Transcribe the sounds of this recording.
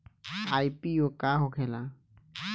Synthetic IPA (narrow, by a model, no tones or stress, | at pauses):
aːipijokaːɦokʰeːla